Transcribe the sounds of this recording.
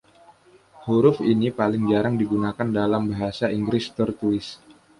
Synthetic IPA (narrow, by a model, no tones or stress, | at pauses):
huɾʊfinipalɪŋd͡ʒaɾaŋdiɡunakandalambaɦasaiŋɡɾɪst̪ərt̪ulɪs